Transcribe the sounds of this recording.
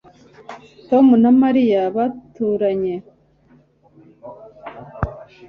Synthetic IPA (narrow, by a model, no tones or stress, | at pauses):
to̞munamaɾijaβatuɾaɲe